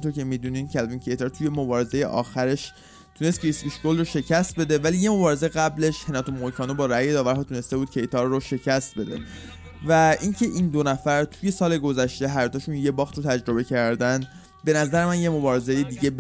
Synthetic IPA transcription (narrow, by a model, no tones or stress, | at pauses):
nt̪oɾcʰe̞miːd̪unincʰælvincʰejt̪ʰeɾt̪ʰuje̞mobɒːɾe̞zejḛʔɒ̰ːxæɾe̞ʃ | t̪ʰune̞st̪kʰɾisbiʃkolroʃe̞cʰæst̪̚be̞d̪e̞væliːje̞mo̞bɒːɾe̞zeɣæble̞ʃhe̞nɒːt̪ʰomokʰɒːnobɒːɾæje̞d̪ɒːvæɾɦɒːt̪ʰune̞st̪e̞buːd̪̚cʰe̞jt̪ʰɒːɾːoʃe̞cʰæst̪̚be̞d̪e̞̰ | væʔincʰe̞ʔiːnd̪onæfæɾt̪ʰuje̞sɒːle̞ɡo̞zæʃt̪e̞ɦæɾd̪ɒːʃunje̞bɒːxt̪ɾot̪ʰæd͡ʒɾo̞be̞cʰæɾd̪ænd̪ | be̞næzæɾe̞mænje̞mo̞bɒːɾe̞zejed̪iːɟe̞b